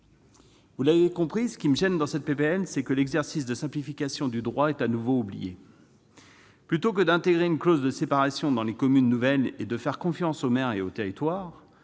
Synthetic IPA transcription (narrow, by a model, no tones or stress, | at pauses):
vulavekɔ̃pχisə̥kʲiməʒɛnd̪ɑ̃sɛt̪̚pepeɛnsɛkəlɛɡzɛʁsis̬d̪əsɛ̃plifikʲasjɔ̃d̪yd̪ʁwaɛt̪anuvoublḭjḛ | plyt̪okəd̪ɛ̃t̪eɡʁeynklozd̪əsepaʁasjɔ̃d̪ɑ̃lekɔmynːuvɛled̪əfɛʁkɔ̃fjɑ̃somɛʁeot̪eʁit̪waːʁ